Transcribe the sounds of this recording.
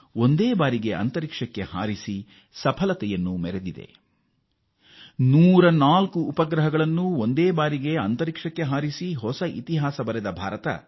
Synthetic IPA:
o̞nd̪eːbaːɾiɡeɐ̰nt̪ɐɾikʂɐkːe̞ha̰ːɾisi | sɐpʰɐlɐt̪ɛjɐnːumɛɾed̪id̪e̞̰ | nuːɾɐnaːlkuːpɐɡɾɐɦɐɡɐɭɐnːuond̪eːbaːɾiɡe̞ɐnt̪ɐɾikʂɐkːe̞ɦaːɾisiɦɔsɐʔḭt̪iɦaːsɐbɐɾɛd̪ɐbʱaːɾɐt̪ɐ̰

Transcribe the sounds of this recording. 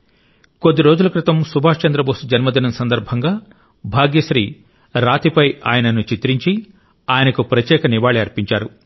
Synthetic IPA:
ko̞d̪ːiɾoːd͡ʒulukɾit̪ɐmsubʱaːʂt͡ʃɐnd̪ɾɐboːsud͡ʒɐnmɐd̪inɐmsɐnd̪ɐɾbʱɐŋɡaː | bʱaːɡjɐʃɾiː | ɾaːt̪ipɐja̰ːjɐnɐnut͡ʃit̪ɾiɲt͡ʃi | aːjɐnɐkupɾɐt̪jɛːkɐniʋaːɭiɐɾpiɲt͡ʃaːɾu

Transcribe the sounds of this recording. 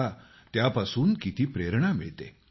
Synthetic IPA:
a | t̪japasuːnkit̪iːpɾeɾɳamiɭt̪ḛ

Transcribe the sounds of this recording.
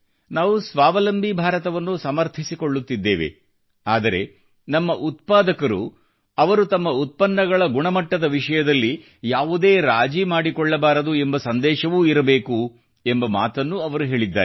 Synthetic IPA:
naːʋusʋaːʋɐlɐmbʱibʱaːɾɐt̪ɐʋɐnːusɐmɐɾt̪ʰisikoɭːut̪ːid̪ːḛːʋe̞̰ | aːd̪ɐɾe̞̰ | nɐmːɐʔut̪̚paːd̪ɐkɐɾṵ | ɐʋɐɾut̪ɐmːɐut̪̚pɐnːɐɡɐɭɐɡuɳɐmɐʈːɐd̪ɐʋiʂɐjɐd̪ɐlːi | jaːʋud̪e̞ːɾaːd͡ʒimaːɽikɔɭːɐbaːɾɐd̪uembɐsɐnd̪ɛːʃɐʋuːiɾɐbe̞ːku | e̞mbɐma̰ːt̪ɐnːuɐʋɐɾuɦe̞ːɭid̪ːaːe

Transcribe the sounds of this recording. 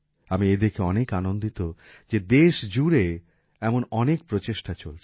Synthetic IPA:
amied̪ekʰeɔnekanond̪it̪o | d͡ʑed̪eʃd͡ʑuɾe | ɛmonɔnek̚pɾot͡ɕeʃʈat͡ɕolt͡ɕʰ

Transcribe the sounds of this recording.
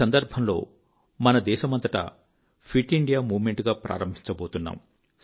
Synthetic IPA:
ɐnd̪ɐɾbʱɐmlo̞̰ː | mɐnɐd̪ɛːʃɐmɐnt̪ɐʈɐ̰ | pʰiʈːiɳɖijaːmuːʋmeɳʈɡaːpɾʔa̰ːɾɐmbʱiɲt͡ʃɐbo̞ːt̪unːa̰ːm

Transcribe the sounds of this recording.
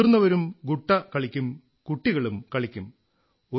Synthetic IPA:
rnːɐʋɐɾumɡuʈːɐkɐɭikʲːum | kuʈːiɣɐɭumkɐɭikʲːum | o

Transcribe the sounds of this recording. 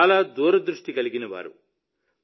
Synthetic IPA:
laːd̪uːɾɐd̪ɾuʂʈiɡɐliɡinɐʋa̰ːɾṵ

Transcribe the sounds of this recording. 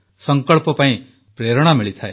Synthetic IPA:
sɔŋkɔɭpɔpaĩ | pɾeɾɔɽ̃amiɭit̪ʰae

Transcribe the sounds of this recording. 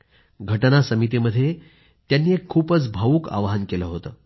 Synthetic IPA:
ɡʱəʈnasəmit̪̬iməd̪ʱːje | t̪janːiːekʰːuːpət͡sbʱaʋuːka̰ʋɦənkeləɦot̪əː

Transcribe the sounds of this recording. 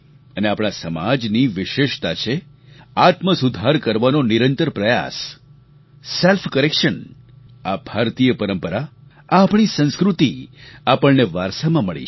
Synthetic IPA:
əneapɳ̃asəmad͡ʒniʋɪʃeʃt̪at͡ʃʰe | at̪məsud̪ʱaɾkəɾʋanoniɾənt̪əɾpɾəja̰s | elfkəɾekʃən | abʱaɾt̪ijəpəɾəmpəɾa | apɳ̃isə̃nskɾut̪iapəɭneʋaɾsamãməɭḭ

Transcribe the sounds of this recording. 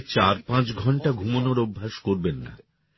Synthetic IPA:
t͡ɕaɾpãt͡ɕɡʱɔɳʈaɡʱumonoɾobʱːaʃkoɾbenːa̰

